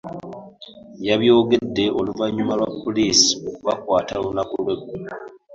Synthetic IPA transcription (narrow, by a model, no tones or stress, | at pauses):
jaβjo̞ːɡe̞dːe̞ʔo̞luvaɲːumalwapːoliːsi̥o̞kuβa̰kwaːtalunakulweɡu